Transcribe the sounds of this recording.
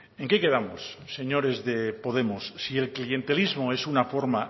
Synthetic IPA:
eŋke̞ke̞ðamosːe̞ɲo̞ɾe̞zðe̞po̞ð̞e̞mosːie̞lklie̞nt̪e̞lizmoe̞sunafo̞ɾma

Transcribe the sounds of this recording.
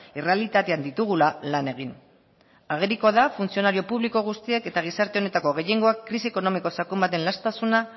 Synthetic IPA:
ire̞alit̪at̪e̞and̪it̪uɣ̞ulalane̞ɣ̞in | aɣ̞eɾiko̞ðafunsio̞naɾio̞puβliko̞ɣ̞ust̪ie̞ke̞t̪aɣ̞isaɾt̪e̞o̞ne̞t̪ako̞ɣe̞je̞ŋɡo̞akːɾisie̞ko̞no̞miko̞sakumbat̪e̞nlast̪asuna

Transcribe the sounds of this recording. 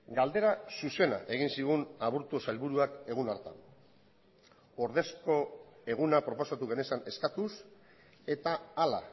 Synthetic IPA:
ɡald̪e̞ɾasuse̞na̰ʔe̞ɣ̞insiɣunaβuɾt̪usajlβuɾuake̞ɣ̞unaɾt̪a̰n | o̞ɾðe̞sko̞e̞ɣ̞unapɾo̞po̞sat̪uɣene̞sane̞skat̪us | e̞t̪aːla̰

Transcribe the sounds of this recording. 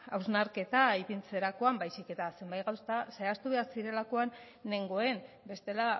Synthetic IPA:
awznaɾke̞t̪aipint͡se̞ɾako̞ambajsike̞t̪ase̞mbajɣawst̪ase̞ast̪uβe̞aɾsiɾe̞lako̞anː | e̞ŋɡo̞e̞n | be̞st̪e̞la

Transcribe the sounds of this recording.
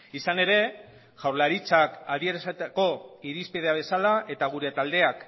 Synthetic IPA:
isane̞ɾe̞ | ʝawɾlaɾit͡sakaðieɾasat̪ako̞iɾispið̞e̞aβ̞e̞salaʔe̞t̪aɣ̞uɾe̞t̪ald̪e̞ak

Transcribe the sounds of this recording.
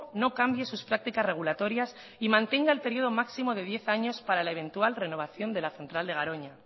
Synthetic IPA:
no̞kambje̞suspɾak̚t̪ikazre̞ɣ̞ulat̪o̞ɾjas | imãnt̪e̞ŋɡaelpe̞ɾjio̞ðo̞maksimo̞ð̞e̞ðje̞θaɲo̞spaɾalae̞β̞e̞nt̪ualre̞no̞β̞aθjo̞nd̪e̞laθent̪ɾald̪e̞aɾo̞ɲa

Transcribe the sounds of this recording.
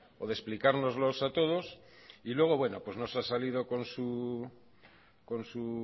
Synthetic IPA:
oðesplikaɾno̞zlo̞sat̪oð̞os | ilwe̞ɣ̞o̞βwe̞no̞̰pwe̞zno̞sasalið̞oko̞nsu | konsu

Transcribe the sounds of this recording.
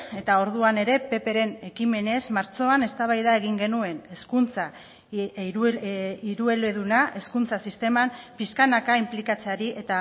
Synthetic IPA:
e̞t̪ao̞ɾðuane̞ɾe̞pe̞pe̞ɾe̞ne̞kime̞ne̞zmaɾt͡so̞ane̞st̪aβajðae̞ɣ̞iŋɡe̞nue̞neskunt͡sa | iɾuelβeðunaʔe̞skunt͡sasist̪e̞mampiskanakaimplikat͡se̞aɾiʔe̞t̪a

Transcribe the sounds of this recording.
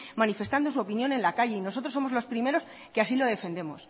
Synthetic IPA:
manife̞st̪and̪o̞s̬uo̞pinjo̞ne̞nlakaʝeino̞so̞t̪ɾoso̞mozlo̞spɾime̞ɾo̞s | keasilo̞ðe̞fe̞nd̪e̞mo̞s

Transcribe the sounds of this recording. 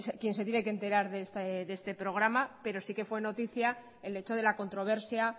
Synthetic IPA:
skje̞nse̞t̪jenekent̪e̞ɾaɾðest̪eðest̪e̞pɾo̞ɣ̞ɾamape̞ɾo̞sike̞fwe̞no̞t̪iθja | ele̞t͡ʃo̞ð̞e̞lako̞nt̪ɾo̞β̞e̞ɾsja

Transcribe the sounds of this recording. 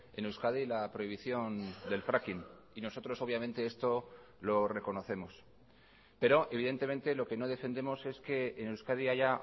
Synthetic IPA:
e̞newskaðilapɾo̞iβiθjo̞nd̪e̞lfɾakin | ino̞so̞t̪ɾo̞so̞β̞jamẽ̞nt̪e̞est̪o̞ | lo̞re̞ko̞no̞θe̞mo̞s | pe̞ɾo̞ʔe̞β̞iðe̞nt̪e̞mẽ̞nt̪e̞lo̞ke̞no̞ð̞efe̞nd̪e̞mo̞se̞ske̞ːnewskaðiaʝa

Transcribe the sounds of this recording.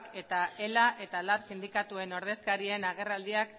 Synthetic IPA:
ke̞t̪ae̞laʔe̞t̪alatsind̪ikat̪ue̞no̞ɾð̞e̞skaɾie̞naɣ̞e̞rald̪iak

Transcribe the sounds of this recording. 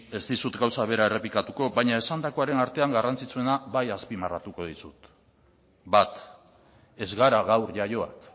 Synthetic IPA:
e̞zt̪isut̪ɡawsaβ̞e̞ɾae̞re̞plikat̪uko̞βajɲae̞sand̪ako̞aɾe̞naɾt̪e̞aŋɡarant͡sit͡sue̞naβajaspimarat̪uko̞ðisut̪ | bat̪ | e̞zɣaɾaɣawɾʝajo̞a̰k

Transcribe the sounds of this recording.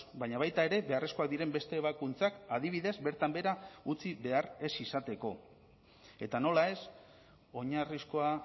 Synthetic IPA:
baɲaβ̞ajt̪ae̞ɾe̞βe̞aresko̞ak̚d̪iɾe̞mbe̞st̪e̞ːβ̞akunt͡sakaðiβ̞iðe̞zbe̞ɾt̪ambeɾaut͡siβe̞are̞sisat̪e̞ko̞ | e̞t̪ano̞lae̞s | o̞ɲarisko̞a

